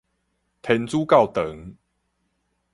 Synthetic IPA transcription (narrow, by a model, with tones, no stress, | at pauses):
t̪ʰɛ˨˦nt͡suː˦ka˥˨wt̪ə˨˦ŋ